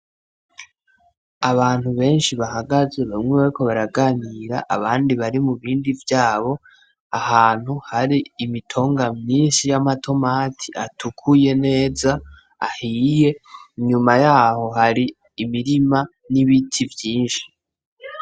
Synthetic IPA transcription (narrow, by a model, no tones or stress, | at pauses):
aβaːn̥huβe̞ːnʃiβahaɡaze̞βamŋeβaɾiko̞βaɾaɡaniɾa̰ʔa̰βaːndiβaɾimuβiːndivjaːβo̞ | ahaːn̥huhaɾiːmitʰo̞ːŋɡamɲiːnʃijamatʰo̞maːtʰiʔatʰukʰuje̞ne̞ːza | a̰hiːje̞ɲumajaːho̞ɦaɾiː | miɾima | niβitʰivjiːnʃi̥